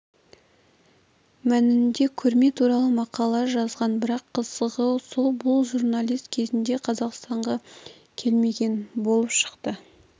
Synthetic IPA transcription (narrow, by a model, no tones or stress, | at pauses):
mænɪnd̪e̞kʲʰɵɾme̞t̪ʰuɾɑlˠəmɑqɑlˠɑʒɑzʁɑnbɪɾɑqʰːəzəʁəsolˠbʊlˠʒurnɑlʲijst̪kʲʰe̞zɪnd̪e̞qʰɑzɑqst̪ɑɴʁɑ | kʲʰe̞lme̞ɡʲe̞nbo̞lˠəpʃə̥qt̪ə